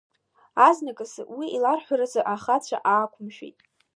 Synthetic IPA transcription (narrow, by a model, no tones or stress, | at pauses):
aznakʼɨswiilarħʷᶣaɾazaʔaχat͡ɕʷʰa̰ʔaːkʷʰʊmʃᶣḛjtʼ